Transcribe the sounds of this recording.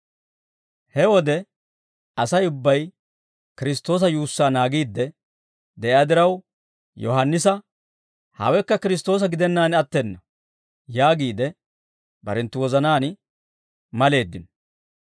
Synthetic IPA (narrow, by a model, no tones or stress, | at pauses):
hɛwɔd̪ɛ | ɐsɐjʊbːɐj | kɪɾɪst̪o̞ːs̬ɐjuːsːaːnaːɡiːd̪ːɛ | d̪ɛʔɪaːd̪ɪɾɐw | jɔ̰ɦɐnːɪsɐ | hɐ̰wɛkːɐkɪɾɪs̬t̪o̞ːs̬ɐɡɪd̪ɛnːaːnɐt̪ːenːɐ | jaːɡiːd̪ɛ | bɐ̰ɾɛnt̪ːʊwɔzɐnaːn | mɐle̞ːd̪ːɪnɔ̥